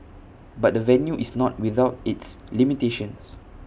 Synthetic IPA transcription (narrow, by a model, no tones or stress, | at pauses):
bat̚dəvɛ̃njuʔisnɔt̚wiðaʊtitslimiteʃə̃ns